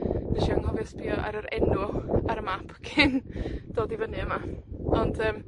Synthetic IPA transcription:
dɛʃiaŋhɔvɛsbʰiːɔʔa̰ɾəɾɛnuaɾəmapʰkʰɪnd̥oːdivənɨəmaɔndʰəːm

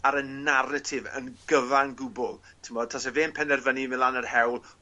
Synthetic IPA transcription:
aɾənaɾətʰɪvə̰nɡəvaŋɡʊbʊlˠ | tʰɪmɔd̚tʰɔsɛveːnpʰɛnɛrvənimɪlˠanərhɛwlˠ

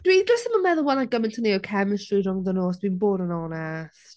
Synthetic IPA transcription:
d̥widrəsəməmɛðəwɛlˠaɡəmɪntʰəniəkʰɛmɪstriɾʊŋðənoːsd̥winboːdənɔnɛs

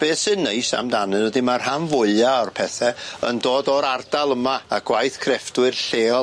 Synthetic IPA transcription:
b̥eːsɨnːejsa̰mdanɨnwɔdimarhanvʊɨaɔrpʰɛθɛə̰ndoːdɔɾard̥alˠəmaːɡ̥wajθkʰrɛfdwɨrɬeː

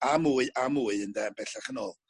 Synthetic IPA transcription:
amuɨʔamuːɨəndɛnbɛɬaχənɔːlˠ

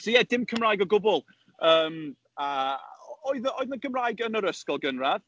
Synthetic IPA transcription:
sɔjɛdɪmkʰəmraːjɡɔɡʊbʊlˠ | əːm | a | ɔɨðəɔɨðənɡəmraːjɡənəɾəskɔlˠɡənrað

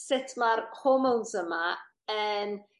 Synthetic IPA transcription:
sɪtʰmarpʰomownsəma | əːn

